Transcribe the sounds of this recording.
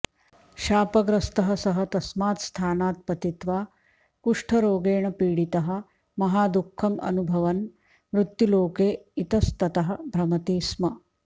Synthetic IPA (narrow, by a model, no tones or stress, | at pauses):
ʃaːpɐɡɾɐst̪ɐɦɐsɐɦɐt̪ɐsmaːt̪st̪ʰaːnaːt̪̚pɐt̪it̪ʋaː | kuʂʈʰɐɾoːɡeːɳɐpiːɽit̪ɐɦɐ̆ | mɐɦaːd̪ukʰːɐmɐ̰nubʱɐʋɐn | ʋɾut̪juloːkeːit̪ɐst̪ɐt̪ɐɦɐ̆bʱɾɐmɐt̪iːsmɐ